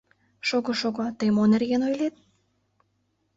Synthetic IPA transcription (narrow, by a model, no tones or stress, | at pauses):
ʃoɣoʃoɣot̪əjmonerɣenojlet̪̚